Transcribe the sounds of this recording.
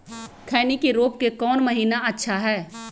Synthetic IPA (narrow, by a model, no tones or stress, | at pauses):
kʰɛːnikeɾoːp̚kekɔːnmɐɦiːnaɐtːʃʰaɦɛː